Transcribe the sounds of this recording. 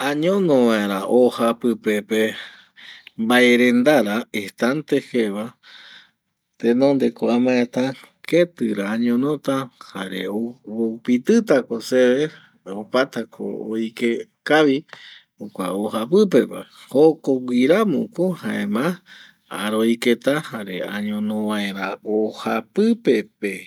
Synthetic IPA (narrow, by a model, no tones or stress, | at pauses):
ãɲõnõʋãeɾaʔohapɨpepe | mbaeɾend̪aɾaeht̪ant̪eheβa | t̪enõnd̪ekoamãet̪a | ket̪ɨɾaːɲõnõt̪ahaɾḛoβopit̪ɨt̪akoseβe | opat̪akʰo̰ojke | kaβi | okʷa̰ohap̬ɨpepa̰hokoɡʷiɾamṵ̃kohãẽmã | aɾoiket̪ahaɾḛa̰ɲõnõʋãeɾaohapɨpepe